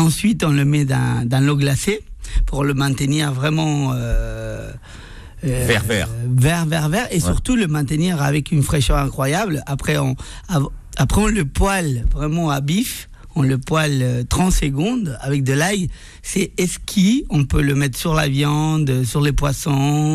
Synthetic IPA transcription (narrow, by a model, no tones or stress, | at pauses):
ɑ̃sɥit̪ɔ̃ləmɛd̪ɛ̰̃d̪ɛ̃loɡlasepuʁləmɛ̃t̪əniʁvʁɛmɑ̃ø | vɛʁvɛʁvɛʁvɛʁvɛʁesyʁt̪uləmɛ̃t̪əniʁavɛkynfχɛʃœʁɛ̃kχwajablapχɛɔ̃avapχɛɔ̃ləpwalvʁɛmɑ̃abif | ɔ̃ləpwaløt̪χɑ̃t̪səɡɔ̃d̪a̰vɛk̚d̪əlaj | sɛɛskʲʰiɔ̃pøləmɛt̪χsyʁlavjɑ̃d̪syʁlepwasɔ̃